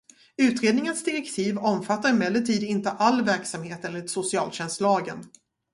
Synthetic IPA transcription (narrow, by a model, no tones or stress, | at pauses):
ʉ̟ːt̪ɾeːd̪nɪŋənsd̪ɪɾɛkt̪ʰiːvɔmfat̪ːaɾɪmɛlːəʈʰiːd̪ɪnt̪əʔalːvæɾksamheːt̪ɛlːɪt̪sʊsɪɑːlɕɛnslɑːɡən